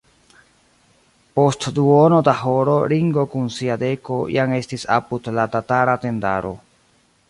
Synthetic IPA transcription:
po̞stduono̞daɦo̞ɾo̞ɾiŋɡo̞kunsiade̞ko̞jaŋe̞stisa̰pudlatataɾate̞nda̰ɾo̞̰

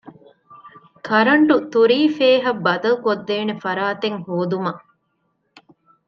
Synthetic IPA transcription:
kʰɐɾɐɳʈut̪uɾiːfeːɦɐbːɐd̪ɐlkod̪ːeːnefɐɾaːt̪eŋhoːd̪umɐ

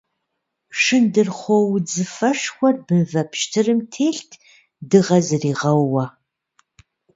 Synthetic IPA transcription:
ʂɨndɨrχʷɔwd͡zɨfɐʃxʷɔrbɨnvɐpʰʃtʰɨrɨmtʰeːɬtʰ | dɨʁɐzɨriːʁɐwːɐ

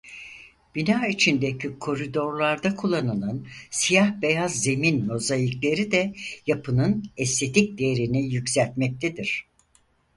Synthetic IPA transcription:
b̥inaːit͡ʃʰind̪ecʰikʰo̞ɾid̪o̞ɾlˠaɾd̪akʰulˠːanɯnˠɯnsijahbe̞jazːe̞minmo̞zajiklʲe̞ɾid̪ɛjapʰɯnɯnɛst̪ʰe̞t̪ic̚d̪eeɾinijycʲsælʲt̪mɛc̚t̪ʰed̪iɾ̝̥

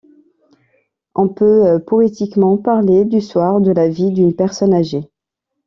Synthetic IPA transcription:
ɔ̃pøpɔet̪ikmɑ̃paʁled̪yswaʁd̪əlavid̪ynpɛʁsɔnaʒe

